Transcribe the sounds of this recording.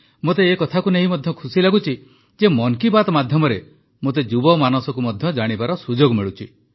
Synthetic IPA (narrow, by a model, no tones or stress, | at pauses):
mot̪eːkɔt̪ʰakuneɦimɔd̪ʱjɔkʰusilaɡut͡ʃʰi | d͡ʒemɔŋkibat̪ɔmad̪ʱjɔmɔɾe | mot̪̬ed͡ʒubɔmanɔsɔkumɔd̪ʱjɔd͡ʒaɽ̃ibaɾɔsud͡ʒoɡmiɭut͡ʃʰi